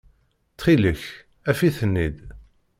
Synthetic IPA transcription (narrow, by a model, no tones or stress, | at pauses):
t͡sːχiləç | æfiθənːid̪